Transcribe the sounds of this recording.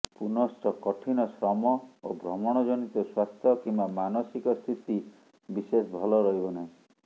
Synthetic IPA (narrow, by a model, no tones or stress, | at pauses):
punɔsʈʰɔkɔʈʰinɔsɾɔmɔobɾɔmɔɽ̃ɔd͡ʒɔnit̪ɔswast̪ʰjɔkimbamanɔsikɔst̪ʰit̪i | bisesbʱɔlɔɾɔɦibɔnaɦĩ